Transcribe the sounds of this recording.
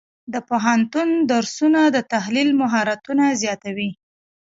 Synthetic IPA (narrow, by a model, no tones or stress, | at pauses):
d̪əpoɦant̪und̪aɾsunad̪ət̪aɦlilmʊɦɑɾat̪unazjɑt̪awi